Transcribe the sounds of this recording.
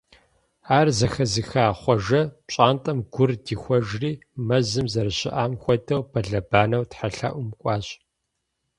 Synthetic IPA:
aːrzɐxɐzɨxaːχʷɔʒɐɕʼaːntʼɐmɡʷʊrdiːxʷɔʒriːmɐzɨmzɐrɨɕɪ̰ʔaːmxʷɔdɐwbʰɐɮɐbaːnɐwtħaɬa̰ʔʷʊmkʷʼɑːɕʼ

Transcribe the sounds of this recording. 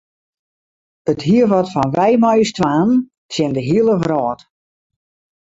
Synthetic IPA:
əthiəʋɔtfɔnʋɛjmɔjstʋaːn | sɛndəɦiəlˠəʋrɔːt

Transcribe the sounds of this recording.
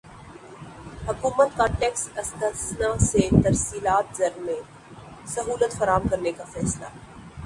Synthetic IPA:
hɐkuːmət̪̚kãːɳʈeːksɐst̪əsnaset̪ɐɾsiːlaːt̪zɐɾmẽ | sɐɦuːlət̪fɐɾaːmkɐɾnekafɛːsla̰

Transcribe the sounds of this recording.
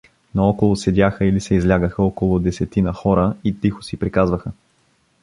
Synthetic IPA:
noɔkolˠʊsɛdʲaxəilisɛizlʲaɡəxəɔkolˠʊd̪ɛsɛt̪inəxɔɾəit̪ixʊ̥sipɾikazvəxə

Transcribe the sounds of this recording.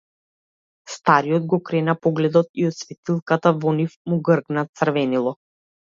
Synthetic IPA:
st̪aɾiɔd̪̚ɡɔkɾɛnapɔɡlɛd̪ɔt̪iɔt̪svɛt̪ilˠkat̪avɔnifmuɡrɡnat̪sərvɛnilˠɔ

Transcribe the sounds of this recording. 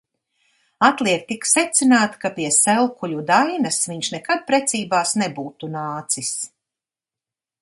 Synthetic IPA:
at̪lˠiɛk̚t̪ːiksɛt̪sʲinaːt̪kapiɛsɛlˠkuʎʲud̪ajnɐsviɲʃnɛkad̪̚pɾɛt̪siːbaːsnebuːt̪unaːt̪sis

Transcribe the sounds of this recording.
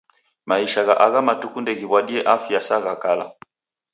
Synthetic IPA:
maiʃaɣaʔaɣamatukundɛɣiβwaɗiɛʔafiasaɣakala̰

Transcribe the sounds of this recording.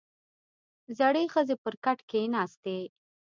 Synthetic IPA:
zaɽexəzepəɾkaʈkenɑst̪e

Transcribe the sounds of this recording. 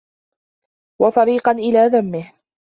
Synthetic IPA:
wɑt̪ˤɑɾiːqɑnʔɪlaːðamːɪh

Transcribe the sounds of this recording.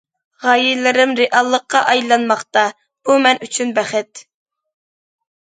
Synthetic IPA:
ʁɑːjilɪɾɪmɾɪʔɑlˠːəqːɑʔɑjlˠɑnmɑχt̪ɑ | b̥umɛnʔyt͡ʃʰynbæχɪt̪

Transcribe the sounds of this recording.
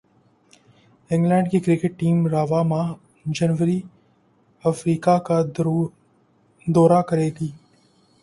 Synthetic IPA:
ɪ̃ŋɡlɛ̃ːɳɖkikɾɪkɪʈ̚ːiːmɾaːʋamã | d͡ʒɐnʋəɾi | ɐfɾiːkaka | d̪ɔːɾakɐɾeːɡiː

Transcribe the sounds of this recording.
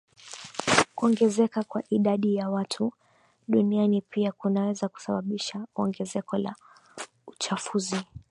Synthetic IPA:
kuɔŋɡɛzɛkakwaʔiɗaɗijawatʰu | ɗunianipiakunawɛzaku̥saɓaɓiʃaɔ̰ŋɡɛzɛkɔla̰ | ut͡ʃafuzi

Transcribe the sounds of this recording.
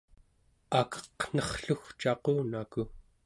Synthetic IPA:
akʌ̥qn̥ʌχɬuxt͡ʃɑquːnaku

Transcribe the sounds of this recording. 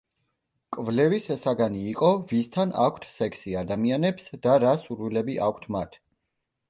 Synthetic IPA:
kʼvlɛvisɛsaɡaniːqʼɔvist̪ʰana̰kʷʰt̪ʰsɛkʰsiad̪amianɛpsd̪̥aɾasuɾwilɛbiʔa̰kʷʰt̪ʰmat̪ʰ

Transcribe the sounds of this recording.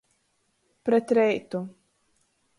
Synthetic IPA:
pɾɛt̪ɾɛjt̪u

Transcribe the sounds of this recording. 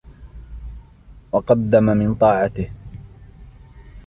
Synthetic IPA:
wɑqɑd̪ːamamɪnt̪ˤɑːʕɑt̪ɪh

